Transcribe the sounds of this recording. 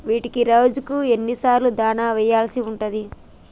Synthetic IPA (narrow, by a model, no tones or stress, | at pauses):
ʋiːʈikiɾɐwd͡ʒukue̞nːisaːɾlud̪aːnaːʋɛjaːlɐsiuɳʈɐd̪i